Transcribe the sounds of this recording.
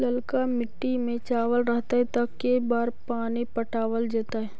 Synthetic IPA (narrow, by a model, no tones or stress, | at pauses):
lɐlkamɪʈːimẽt͡ʃaːʋəlɾɐɦt̪aɦɛt̪ɐkːebaːɾpaːnipɐʈaːʋəld͡ʒeːt̪aɦɛː